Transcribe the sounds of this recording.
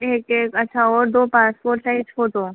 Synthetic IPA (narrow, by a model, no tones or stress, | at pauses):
eːkeːkɐtːʃʰaɔːɾd̪oːpaːspoːɾʈt͡ʃaːit͡ʃʰoːt̪oː